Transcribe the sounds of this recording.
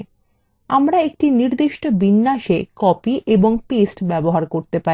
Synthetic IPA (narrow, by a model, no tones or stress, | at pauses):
amɾaek̚ʈiniɾd̪iʃʈobinːaʃekɔpiʔeboŋpesʈbɛboɦaɾkoɾt̪epa